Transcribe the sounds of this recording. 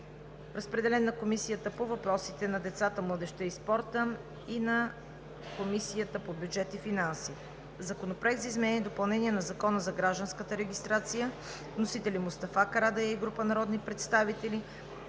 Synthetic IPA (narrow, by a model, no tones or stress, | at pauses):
ɾəspɾɛd̪ɛlɛnːɐkomisijət̪əpovɐpɾɔsit̪ɛnɐd̪ɛt̪sat̪əmlˠəd̪ɛʃt̪əispɔɾt̪ə | inɐ | komisijət̪əpobjud͡ʒɛt̪ifinansi | zɐkonopɾɛk̪zizmɛɛnid̪opɐlˠnɛniɛnɐzɐkɔnəzɐɡɾaʒd̪ənskət̪əɾɛɡʲist̪ɾat̪sijə | nosit̪ɛlimʊst̪ɐfakɐɾad̪ɛjaiɡɾupənɐɾɔd̪nipɾɛt̪st̪avit̪ɛli